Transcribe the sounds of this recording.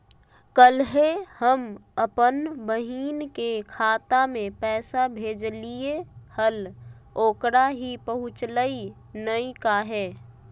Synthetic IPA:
kəlɦehəməpənbəɦiːnkekʰaːt̪amẽpɛːsabʱeːd͡ʒliehəl | oːkɾaɦipəɦʊt͡ʃləi | nəikaɦɛː

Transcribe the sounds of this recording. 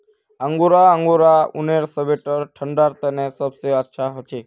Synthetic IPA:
ə̃ŋɡoɾaəŋɡoɾaṵneɾsəʋeʈəɾʈʰəɳɖaɾt̪ənẽsəbseətːʃʰaɦət͡ʃʰe

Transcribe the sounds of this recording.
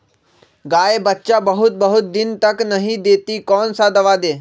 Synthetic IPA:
ɡaːebətːʃabəɦʊt̪̚bəɦʊt̪̚d̪ɪnt̪ɐknəɦĩd̪eːt̪ikɔːnsad̪ɐʋaːd̪eː

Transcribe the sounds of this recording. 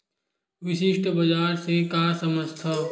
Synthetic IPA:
ʋɪʃɪʃʈbəd͡ʒaːɾsekaːɾsəməst̪ʰə

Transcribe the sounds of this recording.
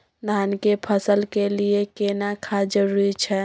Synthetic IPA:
daːnkepʰəsəlkeliekenakʰad͡ʒəɾuɾit͡ʃʰɛ

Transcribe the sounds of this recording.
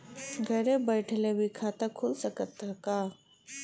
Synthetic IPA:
ɡʱɛːɾebəɪʈʰlebʱikʰaːt̪akʰʊlsəkət̪akaː

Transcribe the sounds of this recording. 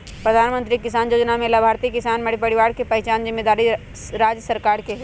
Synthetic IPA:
pɾɐd̪ʱaːnmə̃nt̪ɾikɪs̬aːnjoːd͡ʒnamẽlɐbʱaːɾt̪ikɪsaːnmɐɽipɐɽɪʋaːɾkepɐɦɛt͡ʃaːnzɪmːeːd̪aːɾi | ɾaːd͡ʒjəsəɾkaːɾkeɦɛ

